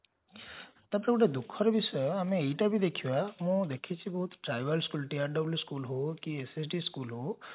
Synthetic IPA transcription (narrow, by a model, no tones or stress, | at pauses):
t̪apɽekuʈed̪ukʰɔɾebisɔameːjʈabʱid̪ekʰiʋamũd̪ekʰit͡ʃʰibɔɦut̪ʈɾajʋəlskulʈiaɾɖɔbljuskulɦokiesesɖiskulɦo